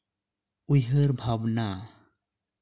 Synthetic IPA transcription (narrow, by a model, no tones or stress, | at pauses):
ujɦəɾbʱabna